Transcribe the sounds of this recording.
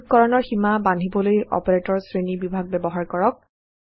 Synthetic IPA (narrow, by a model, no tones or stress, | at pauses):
t̚kɔɹɔnɔɹximabandʱibɔlojɔ̰peɹetɔɹsɹenibibʱaɡ̚bɛbɔɦaɹkɔɹɔk̚